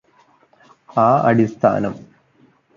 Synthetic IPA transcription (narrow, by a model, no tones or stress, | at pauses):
aːɐɽist̪ʰa̰ːnɐm